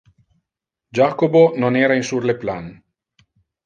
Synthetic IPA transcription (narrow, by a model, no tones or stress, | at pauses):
d͡ʒaːkobononɛːɾainsurleplan